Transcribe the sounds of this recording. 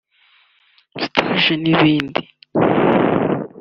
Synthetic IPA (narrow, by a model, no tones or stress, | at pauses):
zi̥tʰaːʒeniβiːndi